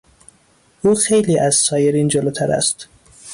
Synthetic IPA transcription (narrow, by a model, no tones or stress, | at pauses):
ʔuːxejliːʔæzsɒːjeɾiːnd͡ʒoloːt̪ʰæɾæ̰st̪